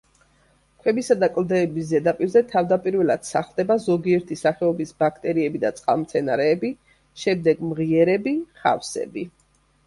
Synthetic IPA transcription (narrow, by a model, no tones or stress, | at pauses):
kʰwɛbisad̪akʼld̪ɛːbiszɛd̪apʼiɾzɛt̪ʰavd̪apʼiɾvɛlad̪̥saχlˠd̪ɛbazɔɡiɛɾt̪ʰisaχɛɔbisbakʰt̪ʼɛɾiɛbid̪at̪sʼqʼa̰lˠmt̪sʰɛnaɾɛːbi | ʃɛmd̪ɛɡmʁiɛɾɛbiχa̰fsɛ̰bi